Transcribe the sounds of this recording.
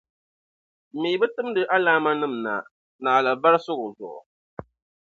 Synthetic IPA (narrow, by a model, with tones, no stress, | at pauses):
mi˨˦bɨ˦tɨ˦m˦dɨ˦ʔa˦laː˦ma˦nɨ˦mna̰˨ | naː˨la˨ba˦ɾɨ˦sʊ˦ɣʊ˨zʊ̰˨ʔʊ̰˨